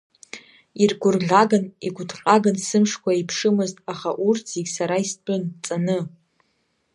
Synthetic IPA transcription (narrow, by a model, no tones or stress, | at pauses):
irɡʷʊrɮʲaɡɨniɡʷʊdqʼaɡansɨmʂkʷʰaipʰʂɨmɨztʼaχaʔurt͡sʰziɡʲsaɾaispʼʊnt͡sʼanɨ